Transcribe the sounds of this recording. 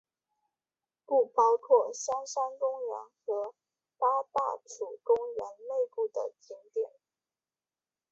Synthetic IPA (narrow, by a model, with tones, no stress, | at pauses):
ku˥˩pɑ˥ʊkʰwɔ˥˩sa˥nʂa˥nkʊ˥ŋɥə̰˧˥nxɤ˧˥ | pa˥t̪a˥˩ʈ͡ʂʰu˨˩kʊ˥ŋɥɛ˧˥nle˥˧ɪpu˥˩d̪ə̰˩t͡ɕʰi˧˥ŋt̪jɛ̰˨˩˦n